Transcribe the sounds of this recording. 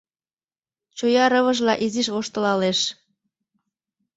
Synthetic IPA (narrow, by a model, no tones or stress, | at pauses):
t͡ɕujɑɾəβə̆ʒlɑʔiziʃβoʃt̪ə̆lɑleʃ